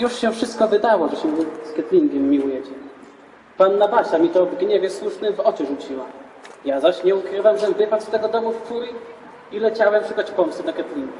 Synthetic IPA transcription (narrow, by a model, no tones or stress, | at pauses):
juʂɕɛfʂɘst̪̚kɔvɘd̪awɔʐɛɕɛskʲɛt̪lʲiŋɡʲɛmːʲiwujɛt͡ɕɛ | panːabaɕamʲit̪ɔvɡɲɛvʲjɛswuʂnɘmvɔt͡ɕɛʐut͡ɕiwa | jazaɕɲɛukɾɘvaamʐɛvɘpat̪st̪ɛɡɔd̪ɔmuftuj | ilɛt͡ɕawɛmpʂɘkɔt͡ɕpɔmst̪ud̪akʲɛt̪lʲiŋɡu